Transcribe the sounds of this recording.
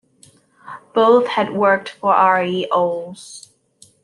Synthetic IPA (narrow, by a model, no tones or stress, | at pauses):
b̥oʊθhɨd̚wɜ˞k̚tfə˞ʔɑɹiʔoʊlˠz̥